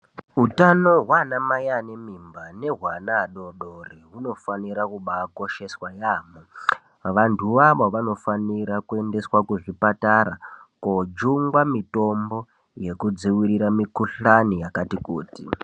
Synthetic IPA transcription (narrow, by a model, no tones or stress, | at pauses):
utano̞ɦwanamajanemimbane̞ɦwanaːɗo̞ɗoriɦuno̞faniɾakuɓako̞ʃe̞swajaːmo | ʋantʰuʋaʋoʋano̞faniɾakue̞nde̞swakuʐipataɾakod͡ʒuŋɡwamito̞mbo̞ | je̞kud͡ziwiɾiɾamikuɬanijakatikuːti